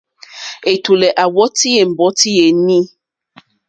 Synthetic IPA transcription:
e˨tu˨lɛ˨ʔa˨wɔ˦ti˦je˨m̩˨bɔ˨˦ti˦je˨˦nĩ˦

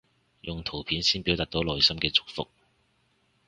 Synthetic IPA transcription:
jʔʊ˨ŋt̪ʰo˨˩wpʰiː˨˥nsiː˥npi˨˥wt̪aː˨˩k̪̚o˨˥wlɔː˨jsɐ˥mkɛː˧t͡sʊ̥˨˥k̚fʊ̰˨k̚

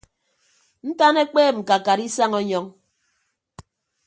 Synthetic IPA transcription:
n̩˦ta˦ne˦k͡peː˦˨ŋ͡m̩˨ka˨ka˨ɾi˦sa˦ŋɔ˦ɲɔ˦ŋ

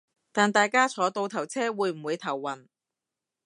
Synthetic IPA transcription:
t̪aː˨nt̪aː˨jkaː˥t͡sʰɔː˨˥t̪o˧wt̪ʰɐ˨˩wt͡sʰɛː˥wuː˨˧jm̩˨˩wuː˨˧jt̪ʰɐ˨˩wːɐ˨˩n

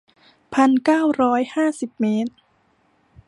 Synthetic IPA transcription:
pʰa˧nkaː˥˩wɾɔː˦˥jhaː˥˩si˨˩p̚meː˦˥t̪̚

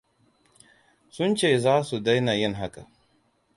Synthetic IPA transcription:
sʊ˦nt͡ʃeː˨zaː˦su˨da˦jna˨jɪ˦ŋɦa˦ka˨

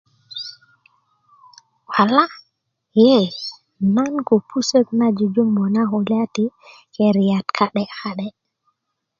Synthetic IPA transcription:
wa˨la˦ | je˦˨ | na˦nku˨pʰu˦sə˦kna˦d͡ʒu˨d͡ʒu˦mbo˨na˦ɦo˨la˦ti˨ | ke˨ɾi˨ja˨tkʰa˨ɗɛ˨a˨ɗɛ˦

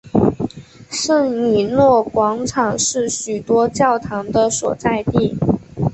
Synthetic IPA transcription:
ʂə˥˩ŋni˨˩nwɔ˥˩kwɑ˧˥ŋʈ͡ʂʰɑ˨˩ŋʂɻ̩˥˩ɕy˨˩t̪wɔ˥t͡ɕjɑ˥˩ʊt̪ʰɑ˧˥ŋd̪ə˧swɔ̰˨˩t͡sa˥˧ɪt̪i˥˩

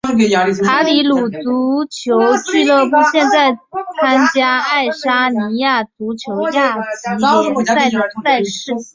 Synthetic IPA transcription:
ʂɻ̩˥˩ke˧˥ɪja˧˥li˧˩˥a˧˥li˧˥lu˨˩t͡su˧˥t͡ɕʰjo˧˥ʊt͡ɕy˥˩t̪ə˥˧pu˥˧˩ɕjɛ˥˧nt͡sa˥˩ɪt͡sʰa˥nt͡ɕja˥a˥˩ɪʂa˥ni˧˥ja˥˩t͡su˧˥t͡ɕʰjo˧˥ʊja˩˥˩t͡ɕi˧˥˧sa˥˩ɪn˧˥sa˥˧ɪʂɻ̩˥˩

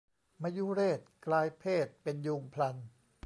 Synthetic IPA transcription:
ma˧ju˦˥ɾeː˥˩t̪̚klaː˧jpʰeː˥˩t̪̚pe˧njuː˧ŋpʰla˧n

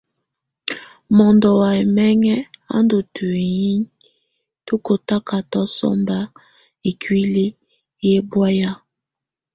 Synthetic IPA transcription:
mɔ˨ndɔ˨wa˨e˨mɛ˦ŋɛ˦a̰˦ndo˨tʰu˨i˨ji˦ | to˦ko˨ta˦ka˨tɔ˦sɔ̰˦mba˦ | e˨kʰwi˦li˦ | je˦bwa˦ja˦

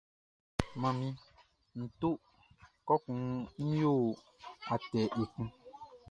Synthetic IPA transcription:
mã˨mĩ˦ | n̩˨to˦ | kɔ˦kũ˨n̩˦jo˦˨ | a˨tɛ˨ʔe˨kũ˦

